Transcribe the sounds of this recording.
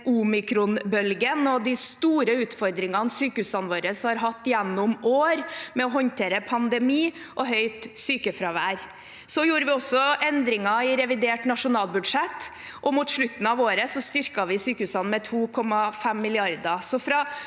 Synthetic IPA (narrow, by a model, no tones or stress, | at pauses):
ʔuːmɪkʰɾʊnbœlɡənɔd̪ɪst̪uːɾəʉːt̪fɔɾd̪ɾɪŋɑnsyːkəhʉːsɑnʋoːɾəshɑɾɦɑt̪ːɪjɛnːʊmoːɾmɛɔɦɔnt̪ʰeːɾəpʰɑnd̪ɛmiː | ʔɔɦœʏt̪syːkəfɾɑʋæːɾ | sɔjuːɾəʋɪɔsːɔʔɛnd̪ɾɪŋɑɪɾɛʋɪd̪eːʈnɑʂʊnɑːlˠbʉd̪ʂɛt̪ː | ʔɔmuːt̪ʂɭʉt̪ːn̩ɑʋoːɾəsɔst̪ʏɾkɑʋɪsyːkəʉːsɑnmɛt̪ʰuːkʰɔmːɑfɛmːɪlɪɑɾd̪ɑsɔfɾɑ